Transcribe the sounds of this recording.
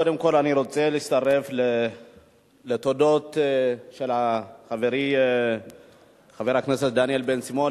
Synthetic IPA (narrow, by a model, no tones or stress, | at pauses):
odemko̞laniɾo̞t͡seliːst̪aʁefle | let̪odo̞t̪ʃelaχaveɾi | χaveɾhakneset̚d̪anielbensimo̞n